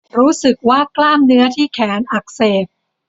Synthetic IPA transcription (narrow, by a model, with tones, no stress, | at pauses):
ɾuː˦˥sɯ˨˩k̚waː˥˩klaː˥˩mnɯ˦˥ɐt̪ʰiː˥˩kʰɛː˩˦nʔa˨˩k̚seː˨˩p̚